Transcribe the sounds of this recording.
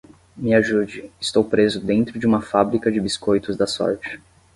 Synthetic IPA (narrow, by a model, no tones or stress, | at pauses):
mɪaʒud͡ʒɪɪst̪owpɾezʊd̪ẽnt̪ɾʊd͡ʒɪũmɐfabɾikɐd͡ʒɪbiskojt̪ʊzd̪ɐsɔ̰ɾt͡ʃɪ̥